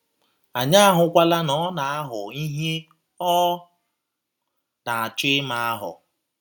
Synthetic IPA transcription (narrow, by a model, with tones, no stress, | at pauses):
a˨ɲa˦a˦ɦʊ˨kʷa˦la˦nɔ˨˦na˨a˦ɦʊ˨i˦ɦe˦ | ɔ˦ | na˨a˨t͡ʃɪ˦ma˨a˦ɦʊ̰˨